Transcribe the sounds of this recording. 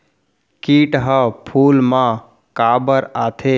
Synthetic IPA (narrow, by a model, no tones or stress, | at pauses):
kiːʈɦəpʰuːlmã | kaːbəɾaːt̪ʰe